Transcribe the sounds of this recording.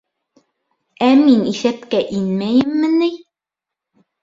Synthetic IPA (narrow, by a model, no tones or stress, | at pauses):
æminiθæpkæʔinmæjɘ̆mːɘ̆nɘj